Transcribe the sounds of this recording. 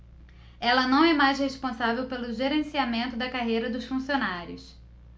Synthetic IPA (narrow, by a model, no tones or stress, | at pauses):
ɛlɐnɐ̃w̃ɛmajsheʃpõsavewpelʊʒeɾẽsiamẽnt̪ʊd̪ɐkaɦejɾɐd̪ʊsfũsionaɾjʊs